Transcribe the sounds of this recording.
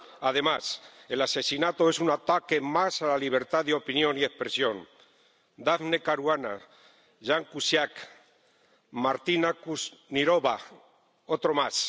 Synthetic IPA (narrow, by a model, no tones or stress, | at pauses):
aðe̞mase̞lase̞sinat̪oesunat̪ake̞masalaliβ̞eɾt̪aðeo̞pinjo̞nie̞spɾesjo̞n | d̪afnekaɾwana | ʒaŋkusjak | maɾt̪inakusniɾoβa | ot̪ɾomas